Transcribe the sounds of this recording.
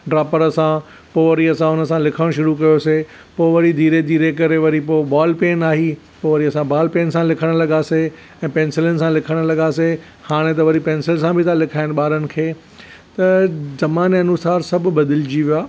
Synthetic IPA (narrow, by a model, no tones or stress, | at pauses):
ɖɾaːpəɾəsã | poːʋɐɾiɐsãʊnə̆sãlɪkʰəɽ̃ʃʊɾuk̬ɐjose | poːʋɐɾid̪ʱiːɾed̪ʱiːɾekɐɾeʋɐɾipoːbaːlpeːnaːɦi | poːʋɐɾiɐsãbaːlpeːnsãlɪkʰəɽ̃lɐɠaːse | ɛ̃ːpẽːnsɪlənɪ̆sãlɪkʰəɽ̃lɐɠaːse | haːɽ̃et̪ɐʋɐɾipẽːnsɪlsãbʱɪt̪ʰãlɪkʰaːɪnɪ̆ɓaːɾənɪ̆kʰeː | t̪ɐzɐmaːneɐnʊsaːɾsɐb̆ʱbɐd̪ɪld͡ʑiʋiaː